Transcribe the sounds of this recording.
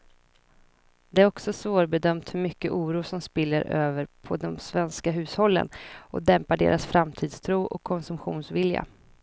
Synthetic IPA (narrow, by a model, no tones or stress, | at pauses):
d̪ɛæɾɔksɔsvoːɾbɛd̪œmt̪hɵɾmʏkːəʔuːɾuːʂɔmspɪlːəɾøːvəɾpʰɔd̪ɔmsvɛnskaɦʉ̟ːshɔlːə̰nʔɔd̪ɛmpaɖḛːɾʔasfɾamt̪ʰiːd̪st̪ʰɾuːʔɔkʰːɔnsɵmpɧuːnsvɪlja̰